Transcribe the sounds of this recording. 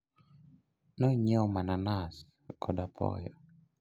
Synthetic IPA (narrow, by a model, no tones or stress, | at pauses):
nɔiɲeɔmananas | kɔdapʰɔ̰jɔ̰